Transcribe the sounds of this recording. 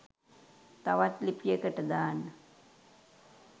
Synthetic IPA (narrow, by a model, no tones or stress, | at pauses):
t̪aʋat̪lipijəkəʈəd̪aːnːə